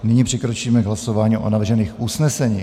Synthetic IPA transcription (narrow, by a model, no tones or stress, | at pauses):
nɪɲiːpr̥ɪkɾot͡ʃiːmɛɡɦlaso̞vaːɲiːʔo̰navr̩ʒɛniːxʔusnɛsɛɲiː